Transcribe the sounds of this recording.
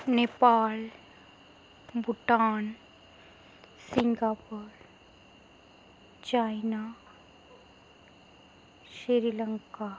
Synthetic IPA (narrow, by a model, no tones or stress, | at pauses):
nepaːl | buʈːaːn | siŋɡaːpuɾ | t͡ʃajnaː | ʃiɾilɐŋka